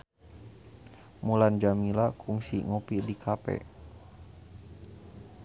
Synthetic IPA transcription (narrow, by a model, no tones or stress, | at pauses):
muland͡ʒamilakʰuŋsḭŋɔpidikʰapɛ̰